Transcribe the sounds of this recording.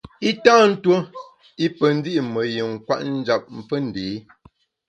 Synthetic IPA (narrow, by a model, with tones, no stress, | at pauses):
i˦taː˦˨n̩˦two˦ | i˦pə˨n̩˦di˦ʔmə˨ji˨ŋ̩˨kwa̰˦ʔn̩˦d͡ʒa˨p̚m̩˨fə˦n̩˨deː˨˦